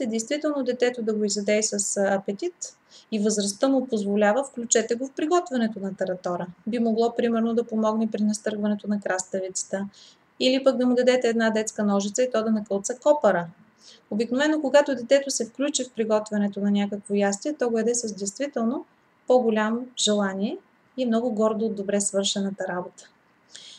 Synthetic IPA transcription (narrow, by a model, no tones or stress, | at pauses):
t̪ɛd̪ɛjst̪vit̪ɛlˠnod̪ɛt̪ɛt̪od̪ɐɡoizɐd̪ɛisɐsɐpɛt̪it̪ | ivəzɾɐst̪əmʊpozvolʲavəfklʲut͡ʃɛt̪ɛɡofpɾiɡɔt̪vɐnɛt̪onɐt̪ɐɾɐt̪ɔɾəbimoɡlˠɔpɾimɛɾnod̪ɐpomɔɡnɛpɾinɐst̪ɤɾɡvɐnɛt̪onɐkɾast̪əvit̪sə̥t̪ə | ilipək̚d̪ɐmud̪ɐd̪ɛt̪ɛːd̪nad̪ɛt̪skənɔʒit̪səit̪ɔd̪ɐnɐkɤlˠt̪sɐkɔpɐɾə | obiknovɛnːokoɡat̪ʊd̪ɛt̪ɛt̪osɛfklʲut͡ʃifpɾiɡɔt̪vɐnɛt̪onɐnʲakəkvojast̪iɛt̪ɔɡoɛd̪ɛsəzd̪ɛjst̪vit̪ɛlˠno | pɔɡolʲamʒ̥ɛlˠaniɛ | imnɔɡʊɡɔɾd̪oːd̪ːobɾɛsvɤɾʃɛnət̪əɾabot̪ə̥